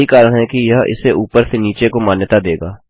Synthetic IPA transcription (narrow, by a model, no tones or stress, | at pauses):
ikaːɾəɽ̃ɦɛkijɐɦɪ̰seʔuːpəɾsʰeniːt͡ʃekomaːnjət̪ad̪eːɡaː